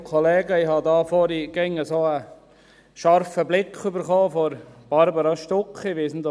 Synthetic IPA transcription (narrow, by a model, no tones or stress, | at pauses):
kʰɔleːɡəiɦɑdɑːfɔɾiɡ̥ɛŋəsoə | ʃɑɾfəblɪkχybəɾχoːfɔɾb̥ɑɾbəɾɑʃtɔkχiʋɪsn̩d̪